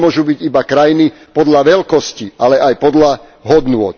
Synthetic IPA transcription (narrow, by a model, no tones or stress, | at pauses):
mʊɔʒubiɟibakɾajini | pɔd̪laʋɛlkɔsciʔalɛʔajpɔd̪la | ɦɔd̪nʊɔt̪̚